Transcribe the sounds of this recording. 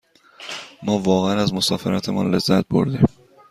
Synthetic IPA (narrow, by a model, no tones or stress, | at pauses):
mɒːvɒːɣeænæzmo̞sɒːfḛɾɒːt̪ʰemɒ̰nle̞zːæt̪̚bo̞̰ɾd̪i